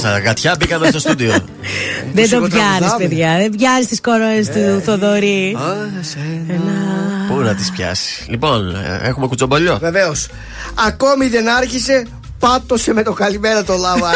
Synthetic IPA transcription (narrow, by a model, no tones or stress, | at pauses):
st̪ɐɣɐt̪çɐbikɐmest̪o̞st̪uðio | ðe̞nd̪ovʝɐɾispeðʝɐðevʝɐzist̪iskoɾoest̪uθoðoɾi | elɐpunɐt̪ispçɐ̰si̥lipo̞nexume̞kut͡so̞boʎo̞veveos | ɐko̞miðe̞nɐɾçise̞ | pɐt̪ːo̞se̞me̞t̪o̞kɐlimeɾɐt̪olɐvɐ